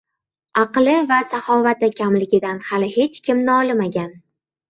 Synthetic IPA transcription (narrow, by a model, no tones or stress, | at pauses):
ɑqlɪvasaχɒvat̪akʲʰamlɪɡʲɪd̪anhalɪhe̞t͡ʃkʲɪmnɪɒlɪmaɡʲan